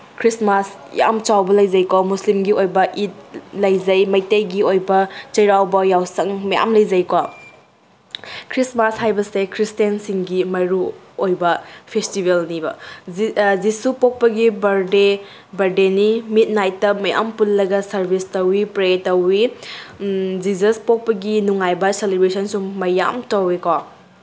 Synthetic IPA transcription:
kʰɾismas | ja̰mt͡ʃawbɐlɐjzɐjkwamuslimɡiojbɐʔit̚lɐjd͡ʒɐjmɐjtɐjɡiojbɐt͡ʃɐjɾawbɐjawsɐŋmɐja̰mlɐjzɐjkwa | kʰɾismashajbɐsekʰɾistensiŋɡimɐjɾuojbɐpʰestibelnibɐ̰ | zisupok̚pɐɡibɐɾde | bɐɾdenimit̚najtːɐmɐja̰mpullɐɡɐsɐɾbʱistɐwipɾetɐwi | d͡ʒizɐspok̚pɐɡinuŋajbɐselibɾesɐnsumɐja̰mtɐwikwa

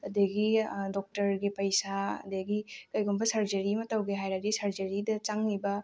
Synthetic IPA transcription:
ɐdeɡidɔk̚tɐɾɡipɐjsaɐ̰deɡikɐjɡombɐsɐɾd͡ʒɐɾimɐtawɡeɦajɾadisɐɾd͡ʒɐɾidɐt͡ʃaŋlibɐ

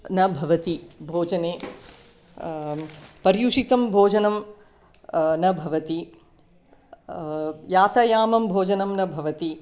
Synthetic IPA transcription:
nɐbʱɐʋɐt̪ibʱoːd͡ʒɐneː | pɐɾjuʂit̪ɐmbʱoːd͡ʒɐnɐm | nɐbʱɐʋɐt̪i | jaːt̪ɐjaːmɐmbʱoːd͡ʒɐnɐmnɐbʱɐʋɐt̪i

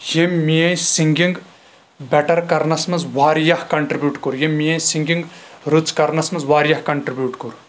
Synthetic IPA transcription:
jemːijɐ̃j̃siŋɡiŋɡ | bɛʈɐɾkɐɾnɐsmɐzʋaːɾjɐhkɐɳʈɾibʲjuːʈkuɾjemːijɐ̃jsiŋɡiŋɡɾut͡skɐɾnɐsmɐzʋaːɾjɐhkɐɳʈɾibjuːʈkuɾ

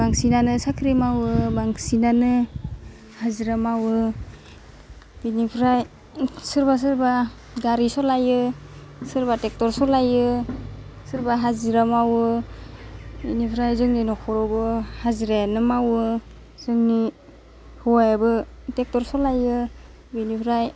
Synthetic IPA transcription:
baŋsinanɯsakʰɾimawɯbaŋsinanɯ | haziɾamawɯ | b̥inipʰɾaj | sɯɾbas̬ɯɾba | ɡaɾisɔlajɯsɯɾbatek̚tɔɾsɔlajɯ | sɯɾbaɦaziɾamawɯ | binipʰɾajzɯŋninɔkʰɔɾɔbɯhaziɾanɯmawɯ | z̥ɯŋni | huwajabɯtek̚tɔɾsɔlajɯ | binipʰɾaj

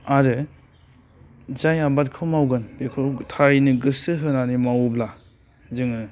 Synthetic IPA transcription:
aɾɯ | zajabat̚kʰɯmawɡɯnbekʰɯtʰaɾinɯɡɯsɯɦɯnanimawbla | zɯŋɯ

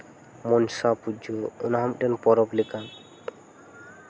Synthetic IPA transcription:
mɔnsapud͡ʒounaɦamʈenpɔɾɔplikan

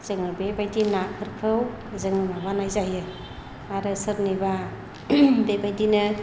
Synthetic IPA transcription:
z̥ɯŋɯbebajdinakʰɯɾkʰɯw | zɯŋɯmabanajzajɯ | aɾɯsɯɾniba | bebajdinɯ

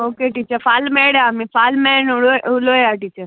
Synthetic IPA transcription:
oːkeʈiːt͡ʃəfaːlmeɽjamifaːlmɛnoʊlojaʈit͡ʃəɾ

